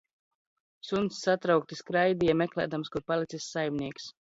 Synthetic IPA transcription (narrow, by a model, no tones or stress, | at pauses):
sunt̪sːat̪ɾawk̚t̪iskɾajd̪iɛmɛklʲɛ̰ːd̪amskuɾpalˠit̪sisːajmnʲiɛks